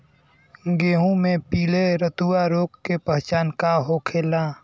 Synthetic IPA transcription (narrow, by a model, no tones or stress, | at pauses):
ɡeːɦũmẽpiːleɾət̪uaɾoːkːepəɦt͡ʃaːnkaɦokʰeːlãː